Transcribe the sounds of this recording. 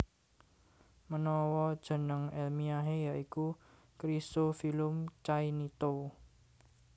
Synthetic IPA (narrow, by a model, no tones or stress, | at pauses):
mənɔwɔd̥ʒ̥ə̤nəŋɛlmiaɦejaʔiku | kɾisofilʊmt͡ʃainit̪o